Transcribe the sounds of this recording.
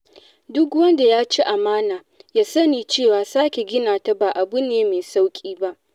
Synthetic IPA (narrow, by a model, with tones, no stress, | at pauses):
dʊ˦kwɐ˦nda˨jaː˦t͡ʃi˦ʔa˨maː˦naː˨ | jaː˦sɐ˦niː˨t͡ʃeː˦˨waː˨saː˦kʲe˨ɡʲɪ˦naː˨ta˦baː˨ʔa˨bʊ˦neː˦meː˨sa˦wkʲʼiː˦ba˦ʔ